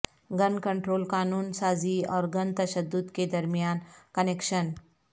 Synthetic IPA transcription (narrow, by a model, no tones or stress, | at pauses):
ɡɐnkə̃ɳʈɾoːlkaːnuːnsaːziɔːɾɡɐnt̪ɐʃəd̪ːʊd̪ked̪ɐɾmijaːnkənekʃən